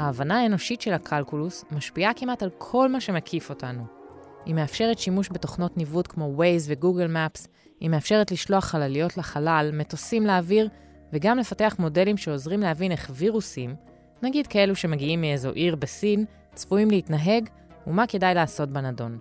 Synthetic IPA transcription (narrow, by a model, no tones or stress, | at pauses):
haːvanaaeno̞ʃitʃelakʰalkulusmaʃpiakimatalkʰo̞lmaʃe̞mekʰifo̞tanu | ime̞afʃe̞ʁetʃimuʃbe̞to̞χno̞tnivudkmo̞wejzve̞ɡuɡelmaps | imeafʃe̞ʁetliʃlo̞aχːalalijo̞tleχalalme̞to̞simleaviʁ | veɡamle̞fate̞aχmo̞de̞limʃe̞o̞zʁimleɦavine̞χviʁusim | naɡidkae̞luʃe̞maɡiimiezo̞ʔiʁbesin | t͡sfuimleitnaɦe̞ɡ | umake̞dajleaːso̞tbenado̞n